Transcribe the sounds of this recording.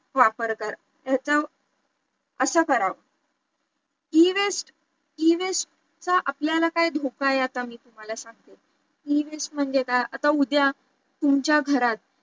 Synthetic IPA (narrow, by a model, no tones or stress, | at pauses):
ʋapəɾkəɾ | jat͡sə | əsəːkəɾaʋə | iʋesʈ | iʋesʈ̚ | t͡saʔapljalakaid̪ʱokajat̪amiːt̪um̤alasãŋɡ̚t̪e | iʋesʈm̤əɳd͡zet̪aat̪aud̪ja | t̪umt͡ɕjaɡʱəɾat̪̚